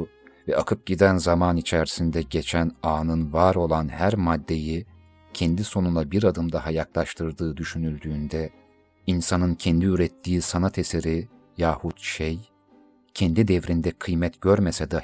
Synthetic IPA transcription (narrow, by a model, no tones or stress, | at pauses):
vɛakʰɯp̚ɟid̪ænzamanit͡ʃʰæɾsind̪ɛɟet͡ʃʰænaːnɯnvaɾo̞lˠanhæɾmad̪ːe̞ji | cʰɛnd̪iso̞nunˠabiɾad̪ɯmd̪ahajaklˠaʃt̪ʰɯɾd̪ɯːd̪yʃynylʲd̪yːnd̪ɛ | insanɯncʰɛnd̪iyɾɛt̪ʰːiːsanat̪ʰeseɾi | jaːhut̪ʃej | cʰɛnd̪id̪ɛvɾind̪ɛkʰɯjmɛt̪ɟ̥øɾmesɛd̪a